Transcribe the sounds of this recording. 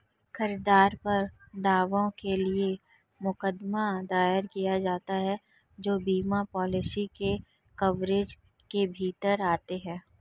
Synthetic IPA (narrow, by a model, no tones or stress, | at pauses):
xɐɾɪd̪aːɾpɐɾd̪aːʋõkelie | mʊkəd̪mad̪aːjəɾkijad͡ʒaːt̪aɦɛ | d͡ʒoːbiːmapɔːlɪsike | kɐʋɾeːd͡ʒ | kebʱiːt̪əɾaːt̪eɦɛ̃ː